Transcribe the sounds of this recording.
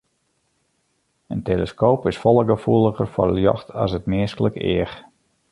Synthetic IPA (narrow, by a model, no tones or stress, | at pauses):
ənteləskoːpɪsfɔlˠəɡəfuəlˠəɣərfɔ̰rəljɔ̰xtʰa̰sətmɪəskələkɪ̰əx